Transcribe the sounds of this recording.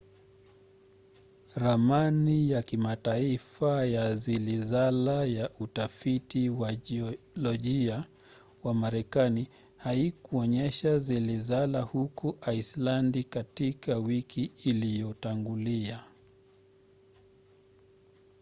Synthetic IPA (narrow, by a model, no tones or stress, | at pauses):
ɾamanijakimataifajazilizalajaʔutafitiwa | lɔʄia | wamaɾɛkani | haikuɔɲɛʃazilizalahukuʔaislandikatikawikiːlijɔtaŋɡulia